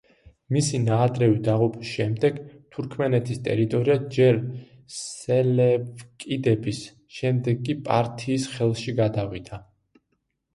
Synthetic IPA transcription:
misinaːd̪ɾɛvid̪aʁupʰʼisʃɛmd̪ɛɡt̪ʰuɾkʰmɛnɛt̪ʰist̪ʼɛɾit̪ʼɔɾiad͡ʒɛɾ | ssɛlɛpkʼid̪ɛbis | ʃɛmd̪ɛɡːʼipʼa̰ɾt̪ʰiːsχɛlˠʃiɡad̪avid̪̥a

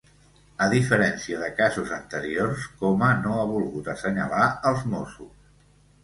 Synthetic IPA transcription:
əðifəɾɛnsiəðəkazuzənt̪əɾiorskɔmənoaβulˠɣut̪əsəɲə̰laəlˠzmosus

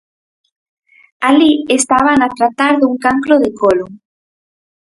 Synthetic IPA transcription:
aliest̪aβanat̪ɾat̪aɾðuŋkaŋkɾʊðekʰolʊ

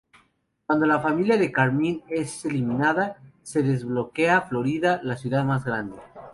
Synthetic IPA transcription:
kwand̪o̞lafamiljaðe̞kaɾmĩne̞selimĩnaðase̞ðe̞zβlo̞ke̞aflo̞ɾiðalasjuðaðmazɣɾand̪e

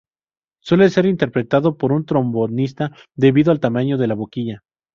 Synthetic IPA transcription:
swe̞le̞se̞ɾint̪e̞ɾpɾe̞t̪aðo̞po̞ɾunt̪ɾo̞mbo̞nist̪a | ðe̞βiðoalt̪amaɲo̞ðe̞laβo̞kiʝa

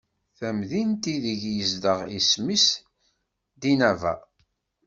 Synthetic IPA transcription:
θæmðint̪iðəʝjəzd̪əʁismis | d̪inævæ̰

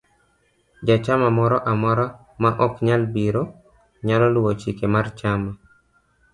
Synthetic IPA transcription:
d͡ʒat͡ʃamamɔɾɔʔamɔɾɔ | maʔɔkɲalbiɾo | ɲalɔlʊwot͡ʃikemart͡ʃama

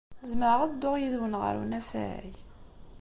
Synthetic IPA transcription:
zməɾəʁæðd̪ːʊʁjiðwənʁə̰ɾṵnæfæ̰ʕḭç

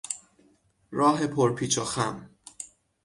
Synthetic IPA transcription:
ɾɒːɦe̞pʰoɾpʰiːt͡ʃʰɒxæm

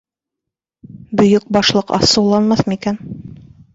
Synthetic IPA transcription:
bɵ̆jɵk̚bɑʃlˠɤqɑ̰sɤwlˠɑnmɑθmikæn

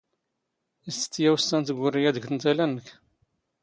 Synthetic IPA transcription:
isə̥t̪ːjæwəst̪ːænt̪ɡʷːʊrːijæd̪əɡθənt̪ælænək

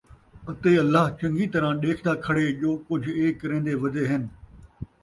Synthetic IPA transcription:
ɐt̪eɐlːaːɦt͡ɕɐ̃ŋɡit̪ɐɾãɗeːkʰnd̪aːkʰɐɽeʄoːkʊd͡ʑʱeːkːɐɾẽːn̆d̪eʋɐd̪ʱeɦɪnɪ̆

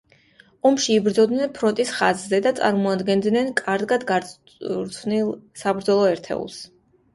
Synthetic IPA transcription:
ɔmʃiːbɾd̪zɔd̪nɛnpʰɾɔnt̪ʼisχa̰zzɛd̪at̪sʼa̰ɾmɔad̪ɡɛnd̪nɛnkʼaɾd̪ɡad̪ɡaɾ | ɾsʰnilsabɾd̪zɔlˠɔɛɾt̪ʰɛ̰ṵlˠs

